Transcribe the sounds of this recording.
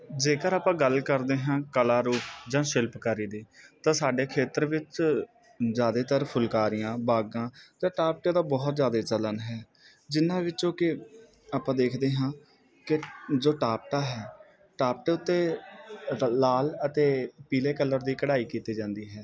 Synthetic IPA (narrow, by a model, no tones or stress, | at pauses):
d͡ʒeːkəɾaːpãːɡəlkəɾd̪eːɦãːkəlaːɾuːpd͡ʒãːʃɪlpkəɾiːd̪iːt̪ãːsaːɖeːkʰeːt̪əɾʋɪt͡ʃ | zjaːd̪eːt̪əɾpʰʊlkaːɾɪjãːbaːɡãːd͡ʒãːʈaːp̚ʈãːd̪aːbɔːt̪zjaːd̪eːt͡ʃələnɦɛː | d͡ʒɪnːãːʋɪt͡ʃõːkɪ | aːpãːd̪eːkʰd̪eːɦãː | kɪd͡ʒoːʈaːp̚ʈaːɦɛː | ʈaːp̚ʈeːʊt̪ːeː | aːlət̪eːpiːleːkəlːəɾd̪iːkəɽaːiːkiːt̪iːd͡ʒãːnd̪iːɦɛː